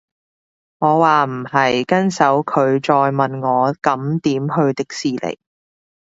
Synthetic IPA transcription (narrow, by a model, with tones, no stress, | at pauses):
ŋɔː˨˧waː˨m̩˨˩hɐ˨jkɐ˥nsɐ˨˥wkʰɵ˨˧ɥt͡ʃɔː˧jmɐ˨nŋɔː˨˧kɐ˨˥mt̪iː˨˥mɦɵ˧ɥt̪ɪ˥k̚siː˨lḛ˨˩j